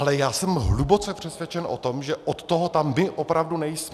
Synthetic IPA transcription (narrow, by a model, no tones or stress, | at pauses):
lɛjaːsɛmɦlubo̞t͡sɛpr̝̥ɛsvjɛt͡ʃɛnʔo̰t̪omʒɛʔot̪ːoɦot̪amːɪʔopɾavdunɛjs